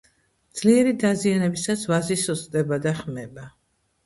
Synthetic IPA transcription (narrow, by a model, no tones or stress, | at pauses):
d̪z̥liɛɾid̪azianɛbisasvazisɔzʼd̪ʼɛbad̪aχmɛba